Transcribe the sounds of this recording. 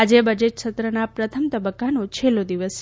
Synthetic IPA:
ad͡ʒebəd͡ʒeʈʃət̪ɾənapɾət̪ʰəmt̪əbəkːanũt͡ʃʰelːod̪iʋəs

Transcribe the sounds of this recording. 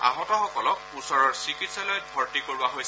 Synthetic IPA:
a̰ɦɔtɔxɔkɔlɔk̚ | usɔɹɔɹsikitsalɔjbʱɔɹtikoɹibaɦojs

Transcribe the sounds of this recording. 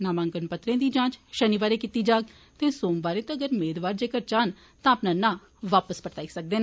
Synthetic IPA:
naːmãːŋkənpət̪ɾẽːd̪iːd͡ʒãːt͡ʃʃəniːbaːɾeːkit̪iːd͡ʒaːɡ | t̪eːsoːmbaːɾeːt̪ãːəɡəɾmeːd̪ʋaːɾd͡ʒeːkəɾt͡ʃaːn | t̪ãːəpnãːnãː | ʋaːpəspəʈt̪aːiːsək̚d̪eːnː

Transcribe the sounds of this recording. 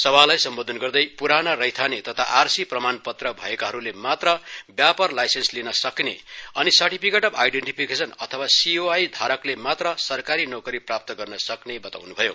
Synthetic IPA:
sʌbʱalajsʌmbod̪ʱʌnɡʌrd̪ʌjpuɾanʌrʌjt̪ʰanet̪ʌt̪ʰaʔarsiprʌmanpʌt̪rʌbʱʌ̰ekaɦʌɾulemat̪rʌbjapʌrlajsenslinʌsʌknḛʌnisʌrʈipʰikeʈʌba̰jɖeɳʈipʰikesʌnʌt̪ʰʌwasioajd̪ʱaɾʌklemat̪rʌsʌrkaɾinokʌɾiprap̚t̪ʌɡʌrnʌsʌknebʌt̪a̰wnubʱʌjo̰

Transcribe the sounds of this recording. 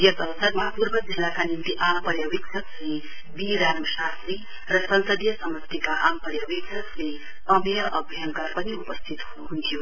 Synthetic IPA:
jʌsʌwsʌɾmʌɦapurbʌd͡zʱenakanint̪iʔampʌɾjʌwiksʰʌkle | biɾansast̪ɾi | rʌsʌnsʌd̪jʌsʌmʌt̪ikaʔampʌrjʌbiksʰʌsle | ʌmjʌʔʌbʱjʌŋkʌrpʌniupʌst̪ʰit̪ɦuɦunt̪ʰijo

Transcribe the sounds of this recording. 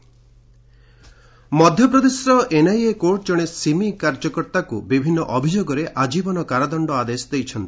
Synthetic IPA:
mɔd̪ʱjɔpɾɔd̪esɾɔʔenajekoɾʈd͡ʒɔɽ̃esimikaɾd͡ʒɔkɔɾt̪akubibʱinːɔʔɔbʱid͡ʒoɡɔɾeʔad͡ʒibɔnɔkaɾad̪ɔɳɖɔad̪esɔd̪ejt͡ʃʰɔnt̪i̥

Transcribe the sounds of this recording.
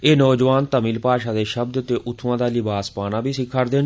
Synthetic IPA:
eːnɔːd͡ʒʋaːnt̪əmiːlpaːʃaːd̪eːʃəb̚d̪t̪eːʔʊt̪ʰːʋãːd̪aːlɪbaːspaːnaːbʱiːsɪkʰːaɾd̪eːn

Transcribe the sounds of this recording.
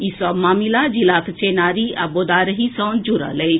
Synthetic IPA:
isɔmamilad͡ʒilakʰt͡ʃenaːɾiabod̪aːɾəɦisãwnd͡ʒuɾa̰lej

